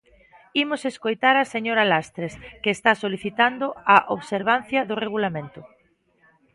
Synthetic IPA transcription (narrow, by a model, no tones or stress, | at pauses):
imʊseskojt̪aɾaseɲoɾalast̪ɾeskeːst̪asoliθit̪and̪ʊaʔoβseɾβ̞an̟θjɐðʊreɣulamẽnt̪ʊ